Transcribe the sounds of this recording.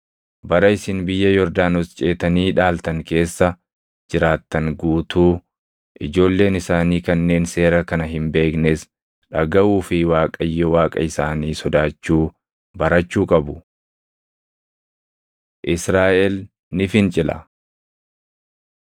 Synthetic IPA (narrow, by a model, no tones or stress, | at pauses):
bɐɾɐɪsɪnbɪjːɐjɔɾd̪aːnɔst͡ʃʼeːt̪ɐniːᶑaːlt̪ɐŋke̞ːsːɐ | d͡ʒɪɾaːt̪ːɐŋɡuːt̪uː | ʔɪd͡ʒo̞ːlːe̞ːnɪsaːniːkɐnːe̞ːnse̞ːɾɐkɐnɐɦɪmbe̞ːknes | ᶑɐɡɐʔuːfɪwaːkʼɐjːɛwaːkʼɐ̰ɪsaːniːsɔd̪aːt͡ʃːuː | bɐɾɐt͡ʃːuːkʼɐbʊ | ʔɪsɾaːʔɛl | nɪfɪnt͡ʃʼɪlɐ̰